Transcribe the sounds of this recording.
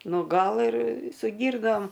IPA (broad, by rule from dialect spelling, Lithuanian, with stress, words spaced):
ˈnʊ ˈɡɐlˠ ɪr sʊ ˈɡʲiːrnoːm